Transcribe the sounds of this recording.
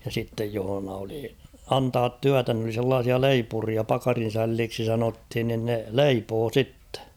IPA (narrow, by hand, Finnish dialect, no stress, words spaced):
jɑ sitːej johŏnɑ oli ɑntɑːt tyætæ n oli selːɑːsiɑ leipuriɑ pɑkɑrin̞sælːiːksi sɑnothin nin ne leipoː sitːe̥